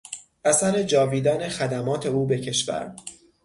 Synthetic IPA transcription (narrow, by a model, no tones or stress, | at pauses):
ʔæsæɾe̞d͡ʒɒːviːd̪æne̞xæd̪æmɒːt̪ʰe̞uːbecʰe̞ʃvæ̰ɾ